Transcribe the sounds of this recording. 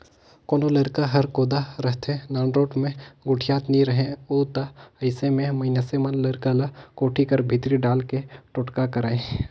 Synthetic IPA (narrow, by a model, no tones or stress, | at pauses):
koːnolɐɾkaɦɐɾkoːd̪aɾɐɦt̪ʰẽnaːɳɖɾoːʈmẽɡʊʈʰijaːt̪nĩɾɐɦẽoːt̪aɐɪsemẽmɐɪnasemənlɐɾkalakoːʈʰikɐɾbʱɪt̪ɾiɖaːlkeʈʊʈkakɐɾaːẽ